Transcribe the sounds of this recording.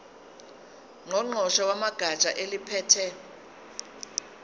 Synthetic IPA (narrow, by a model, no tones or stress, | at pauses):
ŋɔŋ͡ǃʱɔʃawamaɡ̥ʱat͡ʃʼa̰ʔelipʰɛːtʰɛ